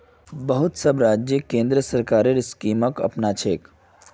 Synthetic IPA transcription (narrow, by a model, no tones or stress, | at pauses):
bəɦʊt̪səbɾaːd͡ʒjəkẽːnd̪ɾəsəɾkaːɾeɾɪskiːməkɐ̰pnat͡ʃʰeːk